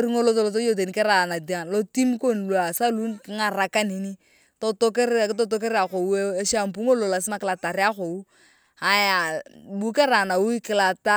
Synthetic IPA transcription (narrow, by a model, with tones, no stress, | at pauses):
ɾi˦ŋo˦lo˦to˦˨lo˨t̬o˦jo˦˨t̬e˨n˦ke˦ɾa˨na˨di˨a˨nlo˦ti˦mko˦n˨lwa˨sa˦lu˦nkŋa˨ɾa˨ka˦ni˨ni˦ | to˦to˦ke˦ɾtɔ˦to˦k̬e˦ɾa˨ko˨wu˦e˦ʃa˦˨mpu˦ŋo˦lo˨la˨s̬ɪ˦ma˦kɪ˦la˨ta˨ɾi˦a˦ko˨u˦ | a˨ja˨bu˦ka˦ɾa˨na˨wu˦i˦kɪ˨la˨ta˦